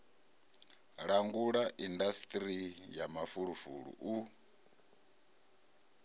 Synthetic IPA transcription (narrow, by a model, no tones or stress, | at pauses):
ɺaŋɡuɺaʔindast̪ʼɾijamafuɺufṵɺṵʔu